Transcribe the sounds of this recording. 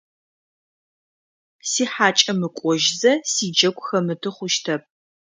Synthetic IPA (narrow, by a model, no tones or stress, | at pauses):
siːħaːt͡ʃʼɐmɨkʷʼɔʒzɐsiːd͡ʒɐkʷʼxɐmɨtʰɨχʷʊʃtʰɐp̚